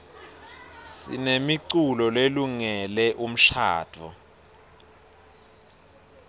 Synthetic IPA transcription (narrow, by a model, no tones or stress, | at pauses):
sḭnemiǀulɔleluŋɛlɛʔum̩ʃa̰ːtʰɔ̰